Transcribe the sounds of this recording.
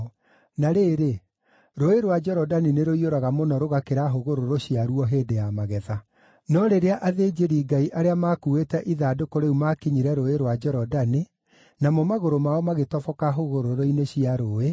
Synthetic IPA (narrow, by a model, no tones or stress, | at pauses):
naɾeːɾe | ɾoeɾwad͡ʒɛɾɔdanineɾoioɾaɣamonɔɾoɣakeɾaɦoɣoɾoɾoɕiaɾuɔɦeːdejamaɣɛða | nɔɾeɾeaʔaðed͡ʒeɾiːɡaiʔaɾeamakuetɛʔiðaːdokoɾeumakiɲiɾɛɾoeɾwad͡ʒɛɾɔdani | namɔmaɣoɾomaɔmaɣetɔfɔkaɦoɣoɾoɾoineɕiaɾoe